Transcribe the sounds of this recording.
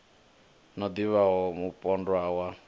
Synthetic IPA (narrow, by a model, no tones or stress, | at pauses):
nɔd̪iβaɦɔmupʼɔndwawa